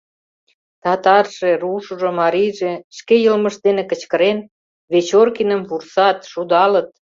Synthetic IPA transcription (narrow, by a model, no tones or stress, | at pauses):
t̪ɑt̪ɑrʃeruʃuʒŏmɑɾijʒeʃkejəlmə̆ʃd̪enekə̆t͡ɕkə̆ɾen | βet͡ɕorkinəmvursɑt̪ʃud̪ɑlə̆t̪̚